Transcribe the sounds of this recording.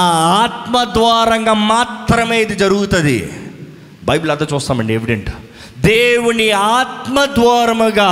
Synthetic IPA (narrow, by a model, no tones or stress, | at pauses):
aaːt̪mɐd̪ʋaːɾɐŋɡɐmaːt̪ɾɐmeːjt̪id͡ʒɐɾuɣut̪ɐd̪ḭ | bɐjblɐt̪ɐt͡ʃoːst̪aːmɐɳɖieʋiɖeɳʈ | d̪eːʋuniaːt̪mɐd̪ʋaːɾmɐɡɐ